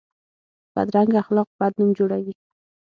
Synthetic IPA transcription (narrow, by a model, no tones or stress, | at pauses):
b̥a̰d̪ɾaŋɡaaxlɑq̚bad̪numd͡ʒoɽawi